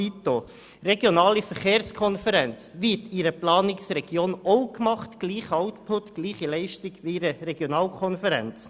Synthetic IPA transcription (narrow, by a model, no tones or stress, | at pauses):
it̪o | ɾeɡjonɑːlifəχeːɾskʰɔnfəɾɛnt͡sʋɪtiɾəplɑːnɪksɾɛɡ̥joːnɔʊkmɑχtɡ̥liːχɑʊt̪pʰʊtɡ̥liːχilɛɪʃtɪɡʋiiɾəɾɛɡjonɑːlkʰɔnfəɾɛ̰nt͡s